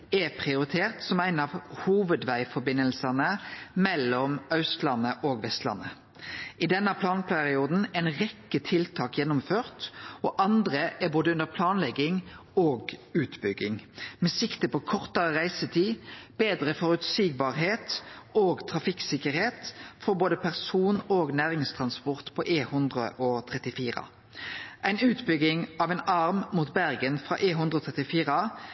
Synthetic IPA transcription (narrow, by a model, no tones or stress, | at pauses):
ɛpʰʁɪʊɾɪt̪ʰeːʁt̪sɔmæɪnɑʋhuːʋəd̪ʋæɪfɔbɪnəlsənəmɛlɔmɑʉst̪lɑnəʔoːɡʋɛst̪lɑ̰nːə | ɪd̪ɛnəpʰlɑːnpʰæʁɪuːd̪n̩æɪnʁɛkːət̪ʰɪlt̪ʰɑːkjɛnːʊmføːʁt̪ɔʔɑnd̪ʁəʔæboːd̪əʉnd̪əʁpʰlɑːnlɛɡɪŋoːɡʉːt̪bʏɡːɪŋmɛsɪkt̪əpʰɔkʰɔʁt̪əʁəʁæɪsət̪ʰiːb̥eːd̪ʁəfɔʁʉt̪siːɡ̚bɑːʁɦeːt̪oːɡt̪ʰʁɑfɪksɪkəʁheːt̪fɔʁboːd̪əpʰæʁsuːnoːɡnæːʁɪŋst̪ʰʁɑnspɔʁt̪pʰɔʔeːhʉnd̪ʁəʔoːt̪ʰʁɛt̪ɪfiːʁɑ̰ | ʔæɪnʉːt̪bʏɡːɪŋɑːʋɛnɑʁmmuːt̪bæʁɡənfʁɑ̰ːʔeːɦʉnd̪ʁəɔoːt̪ʰʁɛt̪ɪfiːʁɑ